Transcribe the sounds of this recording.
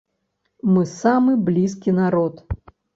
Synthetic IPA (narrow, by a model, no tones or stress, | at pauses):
mɨsamɨblʲiskʲinaɾɔt̪